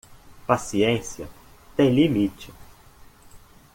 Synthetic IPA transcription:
pasiẽsiɐ | t̪ẽj̃limit͡ʃɪ

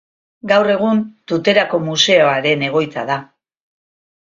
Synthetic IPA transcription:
ɡawre̞ɣ̞unt̪ut̪e̞ɾako̞muse̞oaɾe̞ne̞ɣ̞o̞jt͡saða

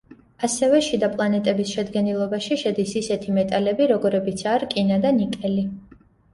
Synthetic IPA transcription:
asɛvɛʃid̪apʼlˠanɛt̪ʼɛbisʃɛd̪ɡɛnilˠɔbaʃiʃɛd̪isisɛt̪ʰimɛt̪ʼalɛbiɾɔɡɔɾɛbit̪sʰaɾkʼinad̪anikʼɛli

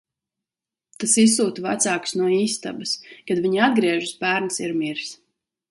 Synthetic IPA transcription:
t̪asisuːt̪va̰t̪saːksnuɔiːst̪a̰bɐskad̪vʲiɲiad̪ɡɾiɛʒɨsbæːɾnsiɾmiɾs

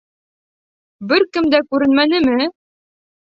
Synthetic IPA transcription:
bɘɾkɘmd̪ækʉɾɘ̆nmænɘmɘ

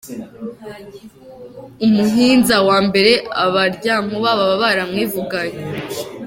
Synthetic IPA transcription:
umuɦiːnzawaːmbe̞ɾe̞aβaɾɟamuβaβaβaβaɾamŋiːvuɡaje

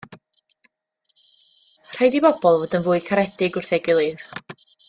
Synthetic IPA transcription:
r̥ajdibɔbɔlˠvoːdənvʊːɨkʰaɾɛdɪɡʊrθɛɡɪlˠɨð

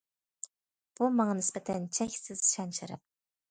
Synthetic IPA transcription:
b̥umɑŋɑnɪspɛt̪ʰɛnt͡ʃʰɛkʲsɪz̥ʃɛnt͡ʃɪɾɛ̰p̚

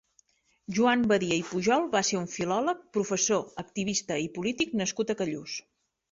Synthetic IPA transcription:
ʒuambəðiəipuʒɔlˠbaseuɱfilɔlək̚pɾufəsoəkt̪iβist̪əipulit̪iknəskut̪əkəʎus

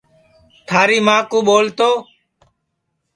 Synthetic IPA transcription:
t̪ʰaːɾiːmaːkuːɓoːlt̪oː

